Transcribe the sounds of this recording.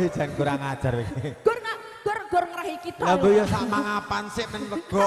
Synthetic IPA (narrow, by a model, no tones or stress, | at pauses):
id̥d͡ʒ̥a̤nkuɾaŋad̥ʒ̥a̤rwikeɡ̥ɔrŋa | ɡ̥ɔrɡ̥ɔrŋəɾaɦikit̪labojɔsaʔmaŋapansɪʔmənwəɡ̥ɔ